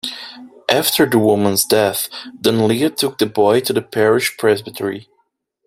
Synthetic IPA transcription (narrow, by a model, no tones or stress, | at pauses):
ʔæftʰə˞ðəwʊmə̃nzdɛθd̥ə̃nliɨtʰʊk̚ðəbɔɪɾɨðɨpʰɛɹɪʃpʰɹ̥ɛzbɨtʰəɹi